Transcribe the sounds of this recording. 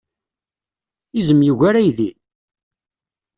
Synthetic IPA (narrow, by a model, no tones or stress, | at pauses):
izəmjuʝaɾajði